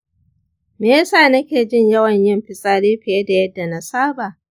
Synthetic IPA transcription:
meː˦saː˦˨nɐ˦kʲeː˨d͡ʒɪ˦ɲjɐ˦wɐ˨ɲjɪ˦mɸɪ˨sʼaː˦ɽiː˦ɸɪ˨je˦da˨jɐ˦dːa˨na˨saː˦baː˨

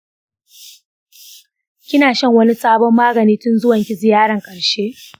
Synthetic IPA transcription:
kʲɪ˦naː˨ʃɐ˦˨ŋwɐ˦ni˦sʼaː˦bɔ˦mːaː˦ɡɐ˨niː˦tʊ˦nzʊ˦wɐ˨ŋkʲɪ˦zɪ˨jaː˦ɽɐ˨ŋkʼɐ˨ɽʃeː˦ʔ

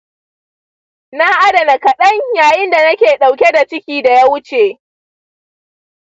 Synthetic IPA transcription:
na˦ʔa˦dɐ˨na˨kɐ˨ɗɐ˦ɲjaː˨jɪ˦nda˨nɐ˦kʲeː˨ɗa˨wkʲe˦da˨t͡ʃɪ˦kʲiː˨da˨ja˦wʊ˦t͡ʃeː˨

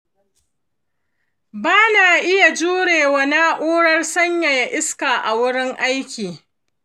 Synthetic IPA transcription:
baː˦na˨ʔɪ˦ja˨d͡ʒuː˦ɽeː˨wa˨na˦ʔʷoː˦ɽɐ˦rsɐ˦ɲja˨ja˨ʔɪ˦skaː˨ʔa˨wʊ˦ɽɪ˦ŋʔa˦jkʲiː˨

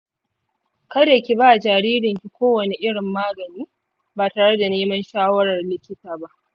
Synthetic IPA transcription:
kɐ˦da˨kʲi˨baː˦˨d͡ʒaː˨ɽiː˦ɾɪ˨ŋkʲi˨kʷoː˦wɐ˨ne˨ʔɪ˦ɽɪ˨mːaː˦ɡɐ˨niː˦ | baː˨taː˨ɽe˦da˨neː˦mɐ˦nʃaː˦wɐ˦ɽɐ˨rlɪ˦kʲːɪ˦taː˨ba˦ʔ

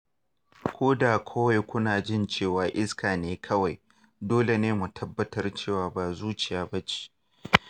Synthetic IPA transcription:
kʰʷoː˦da˨kʷʰo˦wa˨jkʷʊ˦naː˨d͡ʒɪ˦˨nt͡ʃeː˦˨waː˨ʔɪ˦skʰaː˨neː˦kʰɐ˦wa˨j | doː˦le˨neː˦mu˨tʰɐ˦bːɐ˦tɐ˦rt͡ʃeː˦˨waː˨ba˨zuː˦t͡ʃɪ˨jaː˨bɐ˦t͡ʃi̥˦

